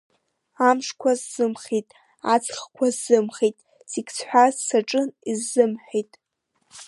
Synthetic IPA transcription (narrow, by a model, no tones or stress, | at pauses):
amʂkʷʰazːɨmχijtʼ | at͡sʰχkʷʰazːɨmχejtʼ | sikʲʰʼt͡sʰħʷᶣazsaʈ͡ʂʼɨnizːɨmħʷᶣejtʼ